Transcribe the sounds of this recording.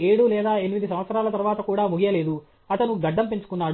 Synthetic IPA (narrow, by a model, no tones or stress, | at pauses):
eːɽulɛːd̪aːenimid̪is̬ɐ̃mʋɐt̪sɐɾaːlɐt̪ɐɾʋaːt̪ɐkuːɽaːmuɡijɐle̞ːd̪u | ɐt̪ɐnuɡɐɖːɐmpe̞ɲt͡ʃu̥kunːaːɽ